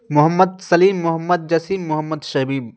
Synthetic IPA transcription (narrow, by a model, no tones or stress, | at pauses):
mʊɦɐmːɐd̪̚sɐliːmːʊɦɐmːɐd̪̚d͡ʒɐsiːmːʊɦɐmːəd̪ʃɐbiːb